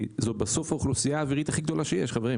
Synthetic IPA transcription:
zot̪̚baso̞fauχlusijaːviʁit̪aχiɡd̪o̞laʃejɛʃχaveʁim

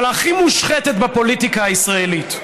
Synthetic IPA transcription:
laχimuʃχetet̪bepo̞litikaːisʁaelit

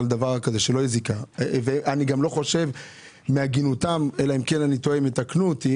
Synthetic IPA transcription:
ld̪avaʁkaze̞ʃelo̞jizikaveʔaniɡamlo̞χo̞ʃe̞v | meaɡinut̪amelaimke̞nanit̪oemet̪aknut̪i

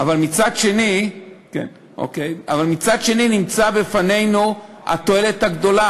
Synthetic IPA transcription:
avalmit͡sadʃe̞nikḛn | ʔo̰kejavalmit͡sadʃe̞ninimt͡sabefane̞jnu | a̰t̪o̞e̞le̞t̪haɡd̪o̞la

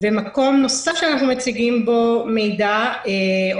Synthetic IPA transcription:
bemako̞mno̞safʃeanaχnumet͡siɡimbo̞me̞jdae

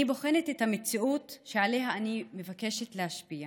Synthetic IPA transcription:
ibo̞χe̞netethamet͡siʔutʃeale̞ɦaːnime̞vake̞ʃetlehaʃpia

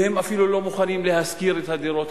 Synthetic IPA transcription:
he̞mafilulo̞muχanimle̞ɦaskiʁet̪had̪iɾo̞t̪

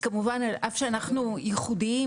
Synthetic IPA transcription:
kamuvanalʔafʃeanaχnujeχud̪i

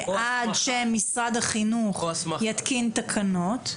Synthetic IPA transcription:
ʔadʃemisʁadaχinuχjat̪kint̪akʰano̞t

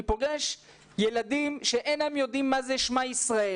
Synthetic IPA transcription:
poɡeʃ | jeladimʃeʔenaemjo̞dimːazeʃmaisʁae

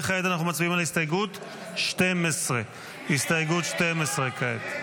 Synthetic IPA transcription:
χeed̪anaχnumat͡sbiimalahist̪ajeɡut̪ | ʃtemesʁe | hist̪ajeɡut̪ʃtemesʁekaet̪

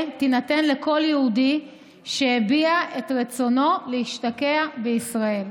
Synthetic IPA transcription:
tinate̞nle̞ko̞ljeudi | ʃehebiaʔe̞tʁet͡so̞no̞lehiʃtakeabeisʁae̞l

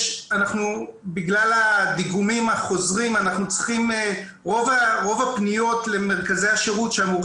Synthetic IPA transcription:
anaχnubiɡlalad̪iɡumimaχo̞zʁimanaχnut͡sʁi̥χim | ʁo̞vaʁo̞vapnijo̞tle̞meʁkaze̞jaʃeʁutʃeamuʁ

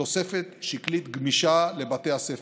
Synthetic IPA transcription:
o̞sefet̪ʃiklit̪ɡmiʃale̞bat̪ehasef

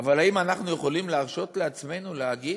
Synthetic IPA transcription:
avalaimanaχnuje̞χo̞limleaʁʃo̞t̪le̞at͡sme̞nuleaɡi

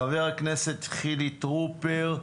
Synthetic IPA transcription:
aveʁakneset̪ːχilit̪ʁupeʁ

